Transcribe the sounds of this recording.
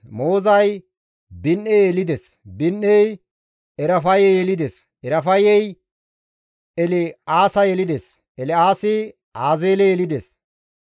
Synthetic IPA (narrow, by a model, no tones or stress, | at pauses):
mo̞ːzɐj | bɪnːeɛlɪd̪ɛs | bɪnːɛj | ɛɾɐfɐjɛjɛlɪd̪ɛs | ɛɾɐfɐjɛj | ɛlɛaːsɐjɛlɪd̪ɛs | ɛlɛaːsɪ | aːzeːlɛjɛlɪd̪ɛs